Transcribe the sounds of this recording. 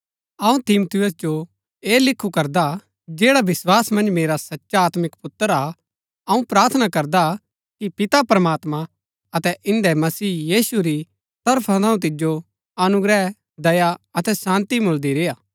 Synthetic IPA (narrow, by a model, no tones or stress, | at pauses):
ɐũt̪ɪmot̪ʰɪjəs̬d͡ʒo | eːlɪkʰːukɐɾd̪a | d͡ʒeːɽaʋɪswaːsmɐ̃nd͡ʒmeːɾasɐtːʃaaːt̪mɪkpʊt̪ːəɾa | ɐũpɾaːɾt̪ʰənakɐɾd̪a | kipɪt̪apɾɐmaːt̪mã | ɐt̪ɛʔɪ̃nd̪ɛmɐsiːjiːsuɾi | t̪ɐɾpʰat̪ãːũt̪̬ɪd͡ʒo | ɐnʊɡɾɛ | d̪ɐjaɐt̪ɛsãːnt̪imʊld̪iɾeːjaː